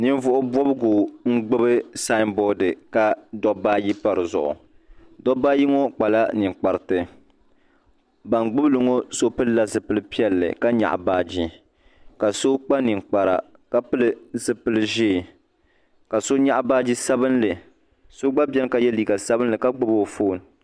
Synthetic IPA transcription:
nɨ˦n˦vʊ˦ʔʊ˦bwɔ˦bɨ˦ɡoː˨ŋ̩˦ɡ͡bɨ˦bɨ˦sa˦ɪ˦mbɔ˦dɨ˨ka˦dɔ˦baː˦ji˦pa˨ɾɨ˨zʊ̰˨ʔʊ̰˨ | dɔ˦baː˦ji˦ŋo˦k͡pa˨la˦nɨ˨ŋk͡pa˨ɾɨ˨tɨ˨ | ba˨ŋɡ͡bɨ˦blɨ˨ŋo˦so˦pɨ˦lla˦zɨ˨pɨ˦lɨ˦pi˦ɛ˦lːɨ̰˨ka˦ɲa̰˨ʔbaː˦d͡ʒi˦ | ka˨so˦k͡pa˦nɨ˨ŋ˨k͡pa˨ɾa̰˨ | ka˦pɨ˦lɨ˦zɨ˨pɨ˦lɨ˦ʒeː˦˨ | ka˨so˦ɲa˦ʔbaː˦d͡ʒi˦sa˦bɨ˦nlɨ˨ | so˦ɡ͡ba˦bɛ˦n˦ka˨jɛ˦liː˨ɡa˨sa˦bɨ˦n˦lɨ˨ka˦ɡ͡bɨ˦bo˨fo˦˨n˨

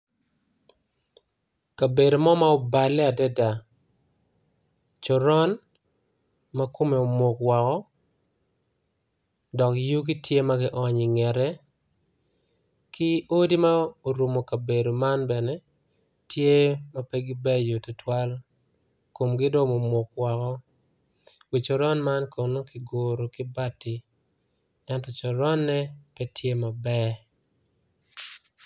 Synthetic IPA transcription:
ka˨be˨do˨mɔ˦ma˦o˦ba˨lɛ˦a˨dɛ˦da˨ | t͡ʃɔ˨ɾɔ˦n | ma˦ko˦me˨o˨mo˨kwɔ˨kɔ˦ | dɔ˨kju˦k̬i˦tje˦ma˦ɡɪ˦ʔɔ˦ɲɪ˨ŋɛ˨ɾɛ˦ | kɪ˦o˦di˦ma˦o˨ɾu˨mo˨ka˨be˨do˨ma˦nbɛ˨nɛ˦ | tʰje˦ma˦pɛ˦ɡɪ˦bɛ˦jo˨tʊ˨twa˦l | ko˨mɡɪ˦dɔ˦mo˨mo˨kwa˨kɔ˦ | wi˨t͡ʃo˨ɾɔ˦nma˦nkʰo˨no˦kɪ˨ɡo˨ɾo˨kɪ˦ba˦tɪ˨ | ɛ˦ntɔ˨t͡ʃɔ˨ɾɔ˦nːɛ˦pɛ˦tje˦ma˨bɛ˦

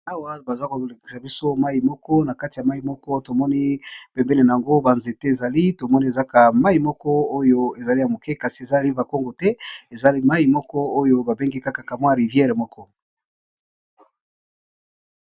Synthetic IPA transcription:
a˦wa˦ba˨za˦ko˨le˨ki̥˨sa˨bi˦so˦ma˦i˨mɔ˦kɔ˦na˨ka˦ti˨ja˨ma˦ji˨mɔ˦kɔ˦to˨mɔ˦ni˦pɛ˨mbɛ˦ne˨na˨a˨ŋɡo˦ba˨nze˨tɛ˦e˨za˨li˦to˨mɔ˦ni˦e˨za˦ka˨ma˦ji˨mɔ˦kɔ˦o˦jo˦e˨za˨li˦ja˨mo˨kɛ˦ka˨si˨e˨za˦˨li˦va˨ko˦ŋɡo˨tɛ˦e˨za˦li˦ma˦ji˨mɔ˦kɔ˦o˦jo˦ba˨be˦ŋɡi˦ka˦ka˨ka˨mwa˦˨ʁi˨vjɛ˦ʁe˨mɔ˦kʰɔ˦

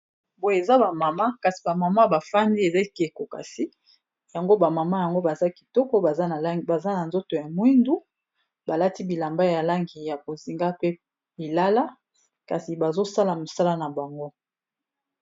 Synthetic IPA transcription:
bo˨je˨za˦ba˨ma˨ma˦ka˨si̥˨ba˨ma˨ma˦ba˨fa˦ndi˦e˨za˦ke˨ko˨ka̰˨si˦ | ja˨ŋɡo˦ba˨ma˨ma˦ja˨ŋɡo˦ba˨za˦ki̥˨tɔ˦kɔ˦ba˨za˦n˨˦ba˨za˦na˨nzo˦to˨ja˨mwi˦ndu˦ | ba˨la˦ti˦bi˨la˨mba˦ja˨la˦ŋɡi˨ja˨bo˨zi˨ŋɡa˦pe˦ | bi˨la˦la˦ | ka˨si˨ba˨zo˦sa˦la˨mo˨sa˦la˦na˨ba˨ŋɡo˦

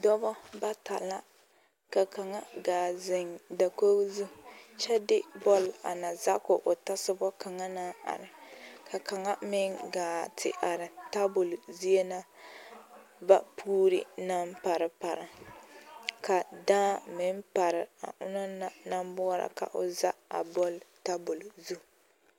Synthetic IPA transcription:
dɔ˦bɔ˦ba˦ta̰˨la˦ | ka˨ka˨ŋa˦ɡaː˨zɪ˨ŋda˨ko˦zu˦˨t͡ʃɛ˦dɪ˦bɔ˦la̰˨na˨za˦kʊ˨ʔʊ˨ta˦sɪ˦bɔ˦ka˨ŋa˦na˦a̰˨ɾɪ˨ka˨ka˨ŋa˦mɪ˦ŋɡaː˨tʰɪ̰˨ʔa˨ɾɪ˨ta˦bʊ˨lzi˦e˦na˦ | va̰˦pʰuː˦ɾḭ˦na˦mpa˨ɾɨ˨pa˨ɾɪ˨ | ka˨daː˦mɪ˦m˦pa˨ɾɪ˨a̰˨ʔʊ̰˦na˦na˨na˦m˦bʊ˦ɾa̰˨ka̰˨ʔʊ̰˨za˦a̰˨bɔ˦lta˦bʊ˨lzu˦

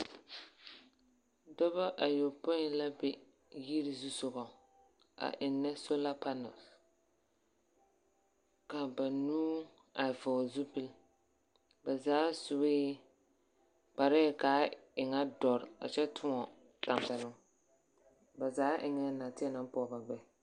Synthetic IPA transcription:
dɔ˦ba˦ʔa˨jo˨po˦la˦bɛ˨ | ji˦ɾi˨zu˦sʊ˨ɣɔ˨ | a̰˨ʔɪ˨nːɛ˦so˦la˦pa˦nɔ̰˨s | ka˨ba˨nuː˦ | a˨vɔ˨zu˦pɪ˦l | ba˨zaː˨˦sʊ˨bɪː˦ | k͡pa˨ɾɛ˦˨kaː˨˦ɪ˨ŋa˦dɔ˨ɾɪ˨a̰˨t͡ʃɛ˦tʰʊ˦ŋɔ˨ | ta˨m˨pɛ˨lʊ˦ | ba˨zaː˨˦ʔɪ˨ŋɛ˦na˨tɪ˦ɛ˦na˦m˦pɔ˨ba˨ɡ͡bɛ˦

